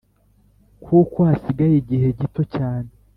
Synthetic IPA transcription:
kʰuːkohasiɡajiɟihe̞ɟito̞caːne

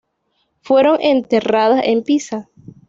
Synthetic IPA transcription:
fwe̞ɾo̞ŋʔent̪e̞raðasempisa

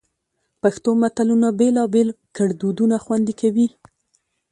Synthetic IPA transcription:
paxt̪omat̪alunabelɑbelkaɽd̪ud̪unaxwand̪ikawi

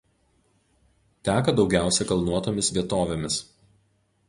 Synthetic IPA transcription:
t̪ʲæːkɐd̪ɒʊɡʲæˑʊsʲɛkɐlˠnuɔt̪oːmʲɪsʋʲiɛt̪oːʋʲemʲɪs

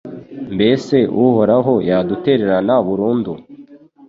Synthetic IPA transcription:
mbe̞se̞ʔuhoɾaɦo̞jadute̞ɾe̞ɾanaβuɾuːndu

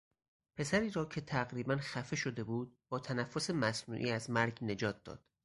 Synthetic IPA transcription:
pʰe̞sæɾiːɾɒːcʰe̞t̪ʰæɣɾiːbænxæfe̞ʃo̞d̪e̞buːd̪̚bɒːt̪ʰænæfːo̞se̞mæsnṵːʔḭːæzmæɾɡne̞d͡ʒɒːt̪̚ʰd̪ɒ̰ːd̪̥

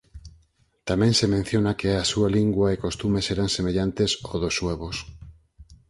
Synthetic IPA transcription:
t̪amɛ̃ŋsemẽn̟θjonakeasualiŋɡwɐekost̪umeseɾaŋsemeʎant̪esoðosːweβos

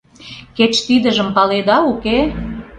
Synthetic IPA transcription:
ket͡ɕt̪id̪ə̆ʒə̆mpɑled̪ɑuke

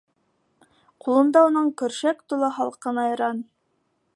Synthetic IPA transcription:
qulˠɤ̆nd̪ɑunɤɴkɵ̆ɾʃækt̪ulˠɤχɑlˠqɤnɑjɤ̆ɾɑn

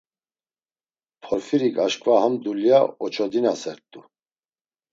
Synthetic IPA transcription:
pʰɔɾfiɾikʼaʃkʼvahamd̪uljaɔt͡ʃʰɔd̪inasɛɾt̪ʼu

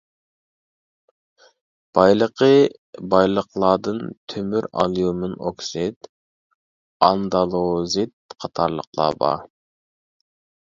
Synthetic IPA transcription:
b̥ɑjlˠəqʰə | bɑjlˠəqlˠɑd̪ɨnt̪ʰømyɾɑ̰lˠjumɪnoksid̪̥ | ɑnd̪ɑlˠozit̪̚qʰɑt̪ʰɑɾlˠə̰qlˠɑ̰bɑ̰

